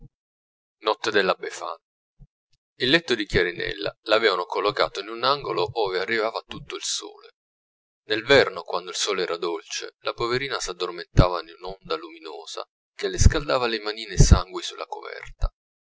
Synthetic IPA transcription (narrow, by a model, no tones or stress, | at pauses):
nɔt̪ːed̪elːabːefa̰n | ilːɛt̪ːod̪ikjaɾinɛ̰lːa̰lavɛːvanokolːoka̰ːt̪oinunaŋɡoloʔoːvearːivaːvat̪ut̪ːoilso̰ːlḛ | nelvɛrnokwand̪oilsoːlɛːɾad̪olt͡ʃḛlapoveɾiːnasad̪ːorment̪aːvanunɔnd̪alumino̰ːz̥a̰ | kelːɪskald̪aːvalemaniːnesaŋɡwisulːʔa̰kovɛ̰rt̪a